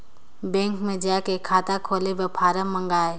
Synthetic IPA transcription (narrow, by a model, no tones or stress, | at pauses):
bɛ̃ːŋkmẽd͡ʒaːkekʰaːt̪akʰoːlebepʰaːɾəmːə̃ŋɡaːe